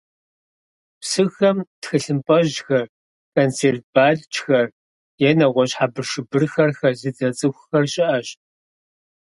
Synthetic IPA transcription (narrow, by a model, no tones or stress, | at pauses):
psɨxɐmtxɨɬɨmpʼɐʑxɐr | kʰont͡sʰeːrt̚b̥aːɮt͡ʃʰxɐr | jɛnɐʁʷɔɕħabɨrʂɨbɨrxɐrxɐrzɨt͡sɐt͡sʼɨxʷʊxɐrɕʼɪʔɐɕ